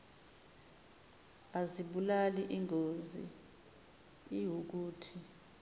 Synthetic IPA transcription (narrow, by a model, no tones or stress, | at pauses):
aziɓulaliʔiŋʱozḭ | iwuk̬uːtʰi